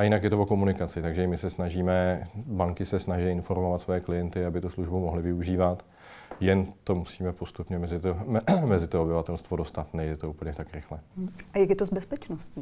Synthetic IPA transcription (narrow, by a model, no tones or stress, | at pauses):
ʔajɪnakjɛt̪ovoko̞munɪkat͡sɪt̪aɡʒɛɪmɪsɛsnaʒiːmɛbaŋkɪsɛsnaʒɛjɪnfo̞ɾmo̞vat̪svojɛklɪjɛnt̪ɪabɪt̪usluʒbumo̞ɦlɪvɪuʒiːvat̪ | jɛnt̪o̞musiːmɛpo̞st̪upɲɛmɛzɪt̪omɛzɪt̪oobɪvat̪ɛlst̪vodo̞st̪at̪nɛjdɛt̪o̞upl̩ɲɛt̪akɾɪxlɛʔajakjɛt̪ozbɛspɛt͡ʃnosciː